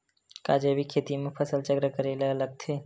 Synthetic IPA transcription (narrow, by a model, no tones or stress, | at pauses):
kaːd͡ʒeʋikʰːeːt̪imẽpʰəsəlt͡ʃəɡɾəkəɾeleələɡ̚t̪ʰeː